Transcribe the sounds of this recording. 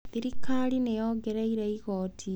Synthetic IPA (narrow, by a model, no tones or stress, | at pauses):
ðiɾikalinejoɡeɾeiɾeiɣoːtʰi